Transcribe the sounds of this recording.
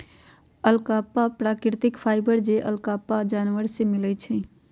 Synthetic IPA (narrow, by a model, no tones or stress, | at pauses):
əlkapːapɾakɾt̪ɪkpʰaːɪbəɾd͡ʒeʔə̰lkapad͡ʒaːnʋəɾsemɪlət͡ʃʰɛ̃